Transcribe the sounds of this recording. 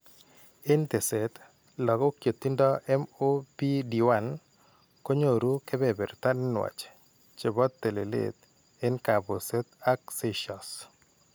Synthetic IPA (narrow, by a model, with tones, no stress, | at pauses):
ɪ˦nt̪e˨se˨t̪ | lɔ˨ko˦kjo˨t̪ːi˦ndɔ˦ʔɛ˦mo˦pi˦di˨wa˨n | ko˦ɲo˨ɾu˦ke˦bɛ˨bɛ˨ɾt̪a˦nnwa̰˨t͡ʃ | t͡ʃe˨bɔ˦t̪ːe˨le˨lḛ˦t̪̚ | ɪ˦nka˨bo˨se˦t̪a˦k̚seʃɔ˨s